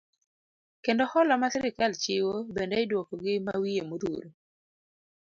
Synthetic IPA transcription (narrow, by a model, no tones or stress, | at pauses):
kendɔhɔlɔmasɪɾɪkalt͡ʃɪwobendɛɪdwokoɡɪmawijemoɾṵɾo